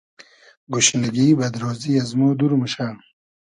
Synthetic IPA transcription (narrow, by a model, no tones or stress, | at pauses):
ɡuʃinaɡibɐd̪ɾoːziazmoːd̪uɾmuʃaːn